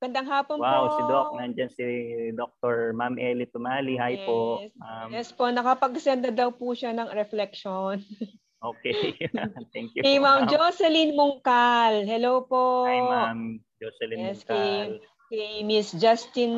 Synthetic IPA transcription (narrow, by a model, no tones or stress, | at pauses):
ɡ̥ɐnd̪aŋɦaːponwawsɪd̪ok̚nɐnd͡ʒɐnsid̪ok̚t̪oɹmamʔɛlit̪ʊmalihajosamjɛspo̞nɐkɐpɐɡsɛnd̪ɐd̪ɐwpuʃanɐŋɾɛflɛkʃon | ʔoːkɛ | t̪ɛŋkjukɐjmamd͡ʒosɛlinmʊŋkalɦɛlowpoamd͡ʒosɛlijɛskɐj | kɛɐjmisd͡ʒast̪ɪn